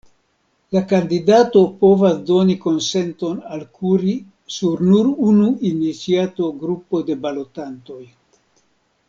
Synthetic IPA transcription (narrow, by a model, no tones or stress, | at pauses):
lakandidato̞po̞vasdo̞niko̞nse̞nto̞nalkuɾi | suɾnuɾunuinit͡siato̞ɡɾupo̞de̞balo̞tanto̞j